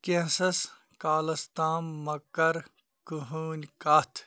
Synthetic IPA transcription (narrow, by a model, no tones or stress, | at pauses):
kẽsɐs | kaːlɐst̪aːmːɐkːɐɾ | kuɦuːnʲkat̪ʰ